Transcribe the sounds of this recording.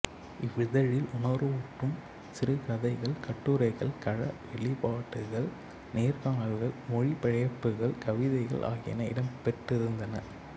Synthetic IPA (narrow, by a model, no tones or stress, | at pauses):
ɪʋɪðɐɻɪlʔʊɳɐɾɯuʈːɯm | sɪɾɯkɐðɐɪɣɐɭkɐʈːuɾɐɪɣɐɭkɐɻɐʋɛɭɪpaːʈːɯɣɐɭ | neːɾkaːɐlɣɐɭmɔɻipɛɻɐjɐpːɯɣɐɭkɐʋɪðɐɪɣɐ̰ɭʔa̰ːɣɪjɐnɐɪ̰ɽɐmpɛʈːɪɾɯnd̪ɐnɐ